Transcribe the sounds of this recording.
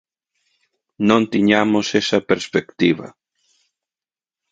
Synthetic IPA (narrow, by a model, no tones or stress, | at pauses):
nõnt̪iɲamosesɐpeɾspekt̪iβa̰